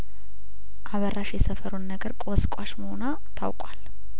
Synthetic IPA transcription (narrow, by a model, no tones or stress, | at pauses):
ʔaβərːaʃjɛsəfəɾonːəɡəɾkʼoskʼaʃməhona | t̪ʰawkʼwal